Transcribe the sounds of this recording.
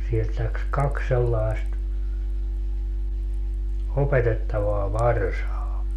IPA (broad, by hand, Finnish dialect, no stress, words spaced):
sielt læks kɑks selːɑist opetetːɑʋɑː ʋɑrsɑː